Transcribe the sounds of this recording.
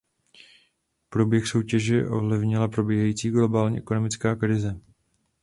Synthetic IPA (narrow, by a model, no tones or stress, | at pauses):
pɾobjɛxso̞wcɛʒɛʔo̞̰vlɪvɲɪlapɾo̞bjɛɦajiːt͡siːɡlo̞baːlɲḭʔɛkono̞mɪt͡skaːkɾɪzɛ